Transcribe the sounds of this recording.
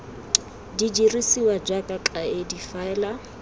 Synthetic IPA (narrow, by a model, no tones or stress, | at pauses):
did͡ʒirisiwad͡ʒakʼakʼaedifaɛla